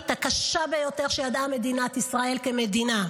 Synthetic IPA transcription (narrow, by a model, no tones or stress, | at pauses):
t̪akaʃabe̞jo̞t̪e̞ʁʃejad̪ame̞d̪inat̪isʁae̞lke̞med̪ina